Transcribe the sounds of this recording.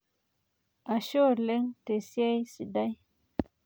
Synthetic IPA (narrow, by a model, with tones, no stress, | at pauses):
a˨ʃo˦˨le˦ŋte˨si˦a˦jsi˨da˦j